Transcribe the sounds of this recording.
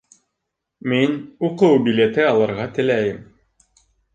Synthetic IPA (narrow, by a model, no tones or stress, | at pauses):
minuqɤwbʲilʲet̪ɘɑlˠɤ̆ɾʁɑt̪ɘ̆læjɘm